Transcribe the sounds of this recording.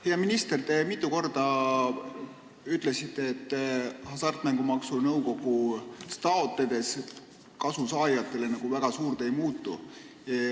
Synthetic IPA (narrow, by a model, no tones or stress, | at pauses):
heɑminist̪e̞rt̪emit̪ːˑuko̞rd̪̥ɑ | yt̪ːˑle̞sit̪ːeːt̪ːhɑsɑrt̪mæŋɡumɑksunɤwko̞ɡ̥ust̪ɑot̪ːˑe̞d̪̥e̞s | kɑsusɑːjɑt̪ˑːe̞le̞nɑɡ̥uvæɡ̥ɑsuːrd̪e̞jmuːt̪ːˑṵ